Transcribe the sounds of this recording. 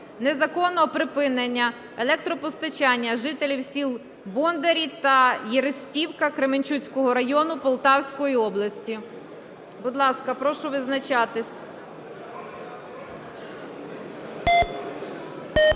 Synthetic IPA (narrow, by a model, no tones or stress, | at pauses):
nezɐkɔnːɔɔpɾɪpɪnenʲːɐ | elˠɛkt̪ɾɔpɔst̪ɐt͡ʃɑnʲːɐʒɪt̪elʲiwsʲilˠ | bɔnd̪eɾʲit̪ɐjiɾɪsʲtʲiwkɐkɾemɪnʲt͡ʃut͡sʲkɔɦɔɾɐjɔnʊpɔlˠt̪ɑwsʲkɔjiɔblˠɐsʲtʲi | bʊd̪lˠɑskɐpɾɔʃʊʋɪznɐt͡ʃɑt̪ɪsʲ